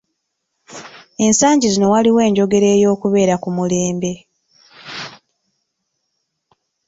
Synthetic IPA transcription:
e̞nsaːɲɟizino̞waliwe̞ːɲɟo̞ɡe̞ɾe̞ːjo̞ːkuβe̞ːɾakumule̞ːmbe̞

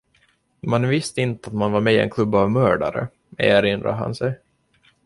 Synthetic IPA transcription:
manvɪst̪əɪnt̪əat̪manvaɾmɛːɪɛ̰nkʰlɵbːavmœːɖa̰ɾə̰ | ḛːəɾɪnd̪ɾa̰ɦa̰nsɛj

